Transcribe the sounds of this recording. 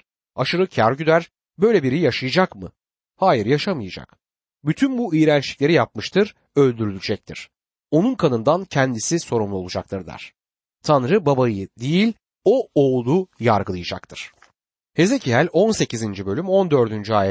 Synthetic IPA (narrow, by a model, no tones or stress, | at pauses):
aʃɯɾɯcʰæɾɟyd̪æɾ | bø̞jlʲebiɾijjaʃajɯd͡ʒakmɯ | haːjiɾjaʃamɯjɯd͡ʒa̰k | byt̪ʰynbuijɾænt͡ʃlʲiclʲe̞ɾijap̚mɯʃt̪ʰɯɾ̥ | ø̞lʲd̪yɾylʲyd͡ʒɛc̚t̪ʰḭɾ̥ | o̞nunkʰanɯnd̪ancʰɛnd̪isiso̞ɾumlˠuo̞lˠud͡ʒa̰kt̪ʰɯɾd̪æ̰ɾ̝̥ | t̪ʰanɾɯbabajɯd̪ejilʲ | o̞oːlˠujaɾɡɯlˠɯjɯd͡ʒa̰k̚t̪ʰɯɾ̥ | he̞ze̞cʰiɦælʲo̞nse̞cizind͡ʒibø̞lʲymo̞nd̪ø̞ɾd̪ynd͡ʒyaːjɛ